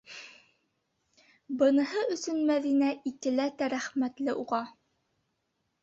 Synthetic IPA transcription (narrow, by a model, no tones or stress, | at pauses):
bɤ̆nɤ̆hɤɵ̆sɵnmæðinæʔik̪ɘ̆læt̪æɾæχmæt̪lɘʔuʁɑ